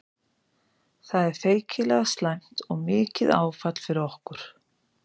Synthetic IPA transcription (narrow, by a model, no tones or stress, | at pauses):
θaðɛɾ̥θeːjcʰɪlɛɣast̪lajm̥t̪ɔɣmɪːcɪða̰ːwfat̪l̥fɪɾɪɔhkʏɾ̥